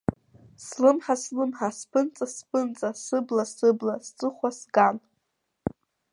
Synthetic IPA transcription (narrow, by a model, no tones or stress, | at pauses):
slɨmħaslɨmħaspʰɨnt͡sʼaspʰɨnt͡sʼasɨblasɨblast͡sʼɨχʷwasɡan